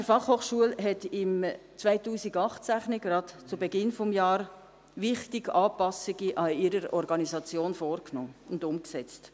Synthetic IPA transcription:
d̥əɾfɑχhoːχʃuəlɦɛtɪmt͡svaɪtuːsiɡɑχtsæχniɡɾɑtt͡subɛɡɪnfɔmjɑːɾ | ʋɪχtiɡɑːpɑsiɡiʔɑiɾəɾɔɾɡɑnizɑt͡sjoːnfoːɾknoːʊndʊmksɛt͡st

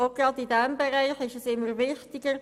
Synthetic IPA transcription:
oɡ̥rɑd̪idɛmbɛɾæɪχɪʃɛsɪmːəɾvɪχtɪɡəɾ

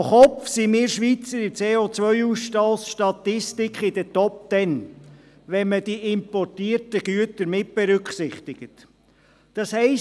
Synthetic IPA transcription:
χɔfsimɪːɾʃʋit͡səɾɪt͡seːot͡sʋœʏuːsʃtɑlsʃtɑt̪ɪstɪkχɪd̥ətɔp̚t̪ɛn | ʋɛnməd̥iʔɪmpɔrtiːɾtəɡ̥yətəɾmɪt̚b̥ɛɾʏkχsɪχt̪ɪɡ̥ət | d̥ɑshɛɪ

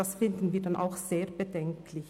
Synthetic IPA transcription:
asfɪndn̩viːɐdanʔa̰ʊxz̥eːɐbədɛŋkʰlɪç

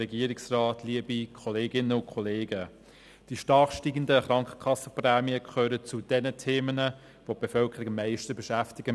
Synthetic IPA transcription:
ɛɡiəɾɪksrɑːtliəbikʰɔleːɡɪnəʊnkʰɔleːɡə | d̥iʃtɑːχʃtiːɡən̩dəχɾɑŋkχə̥kχɑsːəprɛːmiəkʰχøːɾət͡sud̥ɛnətʰeːmənə | vob̥efœlkʰəɾɪɡəmːæɪʃtəbɛʃæftɪɡ̥ə

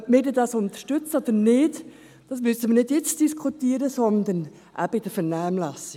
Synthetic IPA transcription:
mɪdədɑsʊnt̪ə̥ʃtʏt͡səɔd̥̪ənɪːd | d̥ɑsmʏsəmənɪdjɛt͡sd̥iskʰut̪iːɾəsɔnd̪ən | ʔæ̰b̥əid̥əfɛnaːmlɑsi

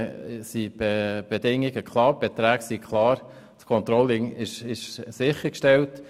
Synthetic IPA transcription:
sib̥eb̥edɪŋiɡəkʰlɑːɾb̥et̪ɾæːksikʰlɑːɾ | t͡skʰɔnt̪ɾɔlːɪŋɪʃɪʃsɪχəɾkʃtɛlt

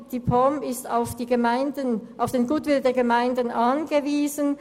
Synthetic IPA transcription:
d̥ipʰɔmɪstaʊfd̥iːɡəmaɪndənʔaʊfd̥eːnɡuːtv̥ɪldeːɐɡəmaɪndənʔanɡəviːzən

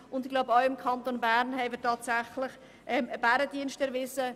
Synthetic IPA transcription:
ʊndɪɡ̥laʊbəɔʊɪmkʰɑnt̪onbæɾnhɛɪmɪtʰɑːtsæχlɪχ | ʔɛmb̥æɾədiənstɛɐɾvɪsə

